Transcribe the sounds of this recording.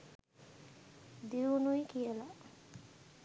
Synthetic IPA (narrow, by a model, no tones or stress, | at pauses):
d̪iunujkijəla